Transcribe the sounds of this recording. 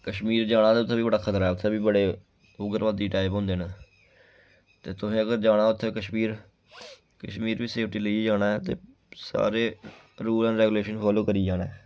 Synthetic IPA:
kəʃmiːɾd͡ʒaːɽ̃aːt̪eːʊt̪ʰːeːbiːbəɽaːkʰət̪ɾaɛːʊt̪ʰːeːbiːbəɽeː | ʊɡəɾʋaːd̪iːʈaːɪpɦõːnd̪eːɦnː | t̪eːt̪ʊsẽːɡəɾd͡ʒaːɽaːʊt̪ʰːeːkəʃmiːɾ | kəʃmiːɾbiːseːp̚ʰʈiːləid͡ʒaːɽaːɛːt̪ḛː | sa̰ːɾeː | ɾuːlɛ̃ːnɾɛːɡuleːʃənpʰaːloːkəɾiːd͡ʒaːɽaːɛː

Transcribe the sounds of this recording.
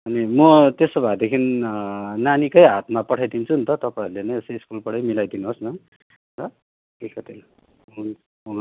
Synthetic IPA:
ʌnimʌt̪esobʱad̪ekʰin | nanikʌjɦat̪mapʌʈʰajd̪int͡sʰunt̪ʌt̪ʌpaʌɾulenʌjesʌiskulpʌɽʌjmilajd̪inuɦosnʌ | rʌ | kikʌt̪il

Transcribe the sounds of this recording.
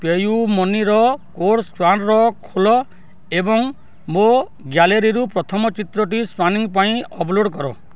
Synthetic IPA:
pejumɔniɾɔkoɾspanɾɔkʰulɔ | ebɔŋ | mo | ɡjaleɾiɾupɾɔt̪ʰɔmɔt͡ʃit̪ɾɔʈ̬ispɾaniŋpaĩɔbloɽkɔɾɔ̰

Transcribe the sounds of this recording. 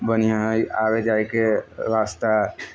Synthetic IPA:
bənijãɦəjaːʋed͡ʒaːekeɾaːst̪a

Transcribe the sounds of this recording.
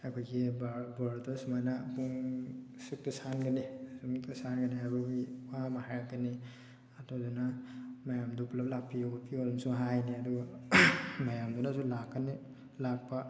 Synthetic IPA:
akʰojɡibbaɾdɔsmajnapuŋsik̚tasanɡɐnisumk̚tasanɡɐniajbaɡiwamahajɾakːani | atʰodunamajamduplap̚lapʰːiopʰiolmsuɦajniɐduɡa | majamdunasulakːani | lak̚pa

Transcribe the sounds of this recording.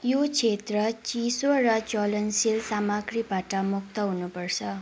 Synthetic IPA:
jot͡sʰet̪rʌt͡sisorʌt͡solʌnsilsamaɡribaʈʌmuk̚t̪ʌɦunupʌrt͡sʰʌ

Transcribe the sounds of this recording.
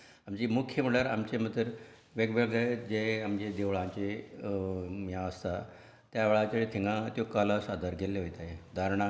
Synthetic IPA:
amd͡ʑimukʰjəməɭəɾamt͡ɕem̤ət̪əɾ | ʋeɡʋeɡd͡zad͡ʑeamd͡ʑed̪eʋɭãɲt͡ɕe | mjãəst̪a | t̪jaʋeɭat͡ɕeɭit̪ʰiŋɡãt̪jokələsad̪ʱəɾɡeleɦojt̪ajed̪ʱaɾɳa

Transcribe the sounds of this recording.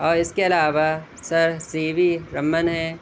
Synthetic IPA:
ɔːɾɪskeɐlaːʋa | sɐɾsiːʋiɾɐmːənɦɛ̃ː

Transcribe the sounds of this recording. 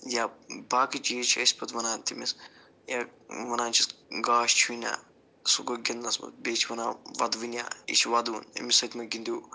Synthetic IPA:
jabaːkɐd͡ʒit͡ʃʰiɐsʲpʰɐt̪ʋɐnaːnt̪imis | jaʋɐnaːnt͡ʃʰisɡaːʃt͡ʃʰuinʲa̰ː | suɡoɡʲɐnnɐsmɐ̰t̪̚bʲeːt͡ʃʰiʋɐnaːʋɐ̰d̪ʋinʲja̰ːḭt͡ʃʰiʋɐd̪uːnɐ̰misɐt̪ʲmɐɡind̪uː

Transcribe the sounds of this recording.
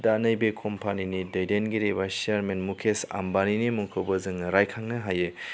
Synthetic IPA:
danɐjbekʰɔmpʰaninidɐjdenɡiɾebaseaɾmenmukʰesa̰mbaninimuŋkʰɯbɐzɯŋɾajkʰaŋnɯɦaje

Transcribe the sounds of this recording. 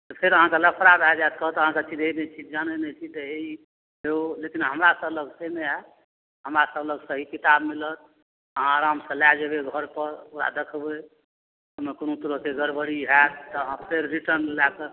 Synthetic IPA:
t̪əpʰeɾəɦãkeləpʰɾabʱɛd͡ʒat̪̚kɔɦt̪əɦãkeət͡ʃʰid͡ʒ̪enɛt͡ʃʰid͡ʒanənɛt͡ʃʰit̪əei | ɦeolekinɦəmɾasəbləɡsemeɦɛ | ɦəmɾasəbləɡsəɦikit̪ab̚milət̪̚ | əɦãɾamsə̃lad͡ʒebeɡʱəɾpəɾoɾa̰d̪ekʰbe | ɦəmekonot̪uɾəseɡəɾbəɾiɦɛt̪t̪ɔɦə̃pʰeɾːiʈəɾnllakəɾ

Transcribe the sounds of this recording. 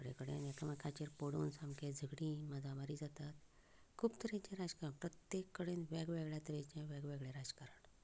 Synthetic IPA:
kəɽḛkəɽḛnekamakʰat͡ɕeɾpoɽoːnsãmked͡zʱəɡɽĩːməd͡zʱabaɾiːd͡zat̪at̪ | kʰuːbt̪əɾẽt͡ɕẽɾad͡zkaɾəɳpɾət̪jekːəɽenʋeɡʋeɡɭjat̪əɾet͡ɕẽʋɛɡʋeɡɭẽɾad͡zkaɾəɳ

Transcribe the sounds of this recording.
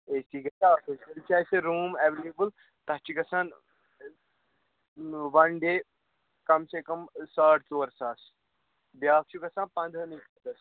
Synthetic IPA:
eːsiːɡɐt̪afesɐlt͡ʃaːseɾuːmɛʋelebul | t̪ɐɦt͡ʃiɡɐsãːn | ʋɐnɖeː | kɐmsekɐmsaːʈʰt͡soːɾsaːs | bjaːk̚t͡ʃʰuɡɐsãːnpɐ̃nd̪ʱənikɐt̪ɐs

